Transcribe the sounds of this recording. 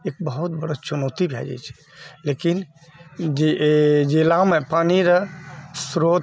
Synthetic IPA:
ek̚bəɦut̪̚bəɽət͡ʃunot̪ibʱɛ̰d͡ʒɛ̰jt͡ʃʰɛ̥ | lekin | d͡ʒed͡ʒelamepaniɾəsɾot̪

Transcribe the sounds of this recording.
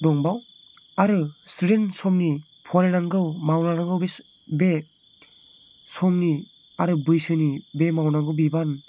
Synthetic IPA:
dɔŋbaw | aɾɯsuɾensɔmni | pʰɔɾenaŋɡɯwmawnaɾaŋɡɯwbe | be | sɔmni | aɾɯbɯjsɯnibemawnaŋɡɯwbiban

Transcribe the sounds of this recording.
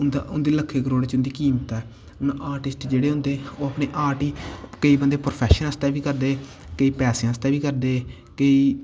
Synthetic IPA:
ʊnd̪aʊnd̪eːləkʰːeːkəɾoːɽeːt͡ʃʊnd̪iːkiːmt̪ɛː | ʊnãʔaːɾʈɪsʈd͡ʒeːɽeːɦʊ̃nd̪eːoːəpɳeːʔaːɾʈiːkəiːbənd̪eːpɾopʰɛːʃənəst̪ɛːʋiːkəɾd̪eː | kəiːpɛːsẽãːəst̪ɛːʋiːkəɾd̪eː | kəiː

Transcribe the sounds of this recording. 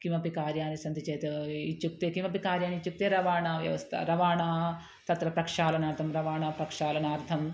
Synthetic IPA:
kimɐpikaːɾjaːnisɐnt̪it͡ʃeːt̪ɐit͡ʃːuk̚t̪eːkimɐpikaːɾjaːniit͡ʃːuk̚t̪eːɾɐʋaːɳaːʋjɐ̰ʋɐst̪ʰɐ̰ɾɐʋaːɳaː | t̪ɐt̪ɾɐpɾɐkʂaːlɐnaːɾt̪ʰɐmɾɐʋaːɳaːpɾɐkʂaːlɐnaːɾt̪ʰɐm

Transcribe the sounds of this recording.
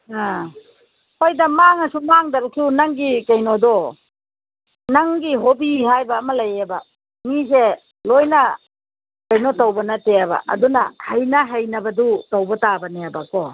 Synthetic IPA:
a | hojdɐmaŋɐsumaŋdɐɾk̚sunɐŋɡikɐjnodɔ | nɐŋɡiɦobiɦajbɐːmɐlɐjebɐ | nize | lojnɐ | kɐjnotawbɐnɐteabɐ̰ʔɐ̰dunɐ̰hɐjnɐɦajnɐbɐdutɐwbɐtabɐneabɐkɔ

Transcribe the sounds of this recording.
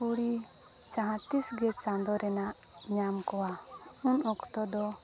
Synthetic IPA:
uɽi | sãɦãt̪isɡɛt͡ʃãnd̪ɔɾɛnaʔ | ɲamkɔwa | unɔkt̪ɔd̪ɔ

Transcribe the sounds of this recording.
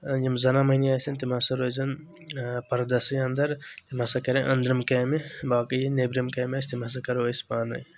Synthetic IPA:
jɐmzɐnamɐjniaːsɐnt̪imasɐɾoːzɐn | pɐɾɐd̪ɐsɐjɐnd̪ɐɾt̪imɐsakɐɾenʔɐ̰nd̪ɾɐmkeːmibaːkɐjinebɾɐmkɐːmʲaːsʰʲt̪imɐs̬akɐɾospaːnɐ̰j

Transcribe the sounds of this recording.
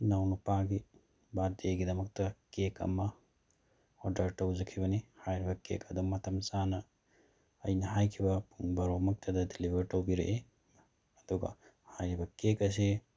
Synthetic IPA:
nawnupaɡi | badeɡidɐmɐk̚tɐkekɐ̰mɐ | odɐɾtɐwzɐkʰibɐnihajɾibɐkḛkɐduŋmɐtʰɐmsanɐ | ɐjnɐɦajkʰibɐpuŋbɐɾomɐk̚tʰɐdɐdilibʱɐɾtɐwbiɾḛʔe | ɐd̥uɡɐ̰ | hajɾibɐkekɐs̬i

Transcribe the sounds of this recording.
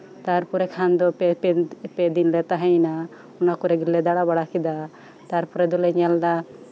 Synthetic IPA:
t̪aɾpɔɾɛkʰand̪ɔ | pɛd̪inlɛt̪aɦɛ̃jna | ɔnakuɾɛɡilːɛd̪aɽabaɽakid̪a | t̪aɾpɔɾɛd̪ulɛɲalda

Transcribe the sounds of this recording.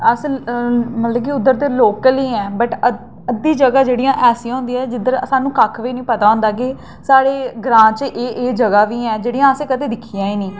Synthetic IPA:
əs | mət̪ləbkiʊd̪əɾt̪eːloːkəliːɛːbəʈə | əd̪ːiːd͡ʒəɡaːd͡ʒeːɽijãːʔɛːsĩãːɦʊ̃ːnd̪iːɛːd͡ʒɪd̪əɾsaːnũːkakʰʋiːnĩːpət̪aːõːnd̪aːɡeː | saːɽeːɡɾãːt͡ʃʔeːʔeːd͡ʒəɡaːʋiːɛːd͡ʒeːɽijãːəsẽːkəd̪eːd̪ɪkʰijãːiːnĩː

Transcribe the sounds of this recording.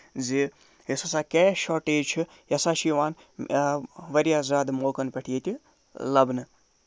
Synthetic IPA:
d͡zi | jesɐsaːkeːʃoʈeːt͡ʃʰu | jɐsaːʃʰiʋaːn | ʋɐɾjaːzaːd̪moːkɐnpɐʈʰijet̪ʲi | lɐbnɨ

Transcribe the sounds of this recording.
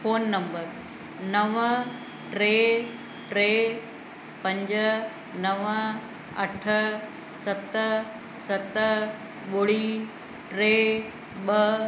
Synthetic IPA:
foːnːɐ̃mbəɾ | nɐʋə | ʈɾeː | ʈɾeː | pɐ̃ɲd͡ʑə | nɐʋə | ɐ̰ʈʰə | sɐt̪ə | sɐt̪ə | ɓoːɽiː | ʈɾeː | ɓə

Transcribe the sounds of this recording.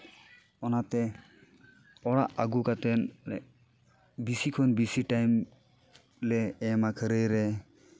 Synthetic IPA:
ɔnat̪ɛ | ɔɽaʔaɡukat̪ɛnɛ̰ | bisikʰɔnbisiʈajm | lɛːmakʰəɾəjɾɛ

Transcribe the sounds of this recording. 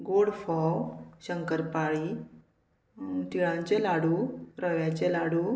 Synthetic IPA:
ɡoɽfɔwɕəŋkəɾpaɭi | t̪iɭãɲt͡ɕelaɽuːɾəʋjãt͡ɕelaɽu

